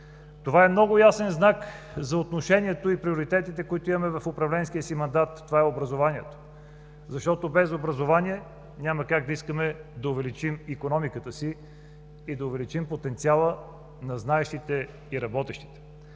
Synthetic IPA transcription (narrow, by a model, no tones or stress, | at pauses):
t̪ovaɛmnɔɡʊjasɛnznak | zɐot̪noʃɛniɛt̪oipɾioɾit̪ɛt̪it̪ɛkoit̪oʊimɐmɛvɐfʊpɾɐvlɛnskijəsimɐnd̪at̪ːovaɛobɾɐzovanʲiɛt̪o̥ | zɐʃt̪ɔt̪obɛzobɾɐzovaniɛ | nʲaməkaɡ̚d̪ɐiskəmɛd̪ɐʊvɛlit͡ʃimikonɔmikət̪əsiː | d̪ɐʊvɛlit͡ʃimpot̪ɛnt̪sialˠə | nɐznaɛʃt̪it̪ɛ | iɾɐbɔt̪ɛʃt̪i̥t̪ɛ̥